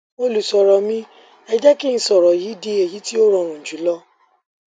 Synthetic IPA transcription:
mo˧lu˨sɔ˨ɾɔ˨mĩ˦ | ɛ˧d͡ʒɛ˦ki˦ñ̩˨sɔ˨ɾɔ˨ji˨˦di˧˦e˨ji˨˦ti˦o˦ɾɔ̃˨˧˨ɾ̃ũ˨d͡ʒu˨˦lɔ˦

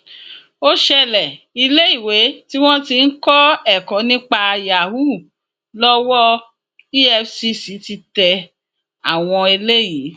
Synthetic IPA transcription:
o˦ʃɛ˧lɛ˨ | i˧le˦i˦˨we˨˦ti˦w̃ɔ̃˦ti˧n̩˦kɔ˦ɛ˦˨kɔ̃˨˦nĩ˦k͡pa˧ja˨wu˦˨ | lɔ˦wɔ˦ | i˦ɛ˧fsi˧si˨˦ti˧tɛ˧ | a˦˨w̃ɔ̃˧i˧le˦ji˨˦

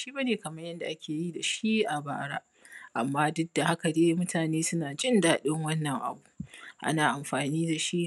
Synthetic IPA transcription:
ʃiː˦ba˦neː˨kɐ˨mɐ˦ɲjɐ˦nda˨ʔa˦kʲʰeː˨ji˦da˨ʃi˦ʔa˨baː˨ɽaː˦ | ʔa˨mːaː˦dʊ˦da˨ha˦ka˨deː˦mʊ˦tʰaː˨neː˦sʊ˦naː˨d͡ʒɪ˦ndaː˨ɗɪ˦ŋwɐ˦nːɐ˨ŋʔa̰˨bu˨ʔa̰˦naː˨ʔa˨mɸaː˨niː˦da˨ʃi˦

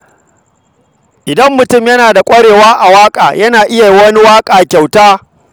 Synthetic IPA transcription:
ʔɪ˨dɐ˦mːʊ˨tʊ˦˨mjɐ˦naː˨da˨kʷʼɐ˦ɽeː˨waː˦ʔa˨waː˦kʼa̰ː˨jɐ˦naː˨ʔɪ˦ja˨ji˦wɐ˦ni˦waː˦kʼaː˨kʲa˨wtaː˦

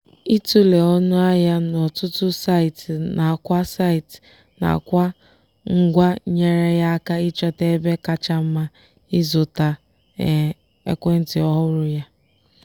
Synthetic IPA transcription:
i˦tu˦le˨ɔ˦nʊ˦a˦ja˦nɔ˨tʊ˦tʊ˦sa˦i˨tna˨kʷa˦sa˦ɪ˨t | na̰˨kʷa˦ | ŋ̩˦ɡʷa˦ɲe˦ɾe˦ja˦a˦ka˦i˦t͡ʃɔ˦te˦be˦ka˦t͡ʃa˦m̩˦ma˦ | ɪ˦zʊ˨ta˨ | ḛ˦kʷe˦n̩˦tɪ˨ɔ˦ɦʊ˦ɾʊ˦ja˦

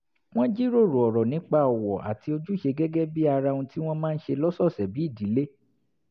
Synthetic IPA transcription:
w̃ɔ̃˦d͡ʒi˦ɾo˦˨ɾu˨ɔ˨ɾɔ˨nĩ˨˦k͡pa˦ɔ˨wɔ˨ʔa̰˨ti˧o˧d͡ʒu˦˨ʃe˧ɡɛ˦ɡɛ˦bi˦a˧ɾa˧ũ˧ti˦w̃ɔ̃˦mãː˦n̩˦ʃe˧lɔ˦sɔ˦˨sɛ˨bi˨˦i˦˨di˨˦le˦

